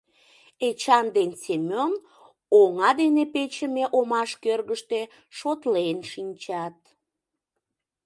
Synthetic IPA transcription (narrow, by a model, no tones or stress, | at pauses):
et͡ɕɑnd̪ensemʲon | oŋɑd̪enepet͡ɕəmeʔomɑʃkørɣəʃt̪e | ʃot̪lenʃinʲt͡ɕɑt̪